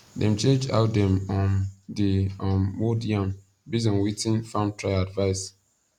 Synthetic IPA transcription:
dɛ̃mt͡ʃẽnd͡ʒa̰ʊt̚dɛ̃mɔ̃ndiɔ̃mwodiãm | bizɔ̃nwitĩnfãmtʰɹaɪadvaɪs

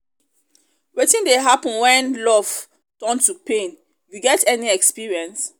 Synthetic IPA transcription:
wetĩndeɦapə̃nwɛ̃nlɔv̥ | tɜ̃ntupẽn | juɡɛtɛniɛkspiɹiɛ̃ns

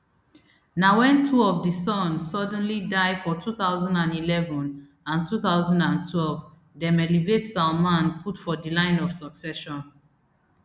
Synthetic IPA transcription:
nawɛ̃ntʰuɔvdisɔ̃nsɔdɛ̃nlidaɪfɔtʰuθaʊzɔ̃ndãnilɛvɔ̃n | ãntuθaʊzɔ̃ndãntʰwɛlv | dɛmɛlivetsamãnpʰutfɔdilãɪ̃nɔv̥sɔksɛʃɔ̃n

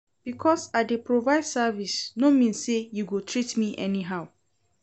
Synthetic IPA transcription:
b̥ikʰɔsadepɹovaɪd̥savisnomĩnsːejuɡutʰɹitmiʔɛ̰niɦaʊ

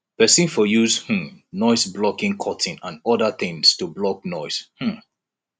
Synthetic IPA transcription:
pɛsĩnfɔjuzh̩nɔɪsblɔkĩŋkʰɔtʰĩnãnɔdəθɪ̃ŋstublɔk̚nɔɪshm̩

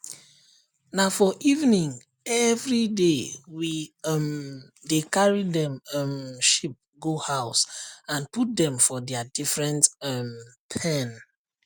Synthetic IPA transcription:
nafɔʔivnĩŋ | ɛvɹidewim | dekaɹidɛ̃mmʃip̚ɡohaʊsãnput̚dɛ̃mfɔdɛadifɹɛ̃ntmpʰɛ̃n

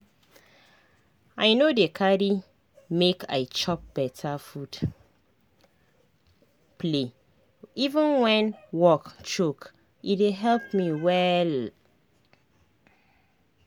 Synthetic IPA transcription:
aɪnodekʰaɾi | mekʰa̰ɪt͡ʃɔp̚b̥ɛtʰafud | ple | ivə̃nwɛ̃nwɔkt͡ʃok | ideɦɛlpmiwɛl

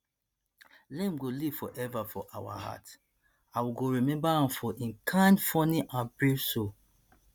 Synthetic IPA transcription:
lẽmɡoliv̥fɔʔɛvafɔʔawa̰ha̰t | awiɡoɹimɛ̃mbaãfɔʔĩnkʰãɪ̃ndfɔniʔãnbɹevso

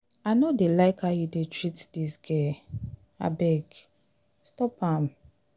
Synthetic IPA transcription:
anodelaɪkajudetɾitdisɡe | a̰bɛɡ | stɔpam

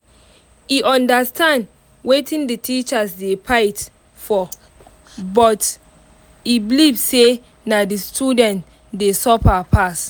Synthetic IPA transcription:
iʔɔ̃ndastãnd | wetʰĩnditʰit͡ʃasdepʰaɪt | fɔ | bɔt | ibilivse | nadistʰudɛ̃nt | desɔpapʰas

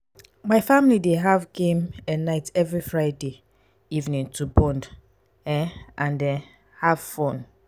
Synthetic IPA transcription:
maɪfamlideɦavɡẽmɛnaɪtɛvɹifɹaɪde | ivnĩŋtʰubɔ̃nd | ɛʔãndɛ | hav̥fõn

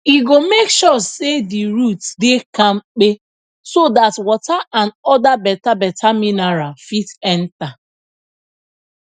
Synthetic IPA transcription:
iɡomekʃɔsediɹutdekãmk͡pe | sodatwɔtaʔãnɔdabɛtabɛtʰaminaɹafidɛnta

